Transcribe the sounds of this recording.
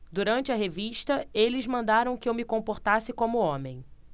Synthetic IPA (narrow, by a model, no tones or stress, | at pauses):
d̪uɾɐ̃nt͡ʃɪɐɦeviʃt̪ɐelɪzmɐ̃nd̪aɾɐ̃w̃kɪewmɪkõpoɾt̪asɪkõmʊõmẽj̃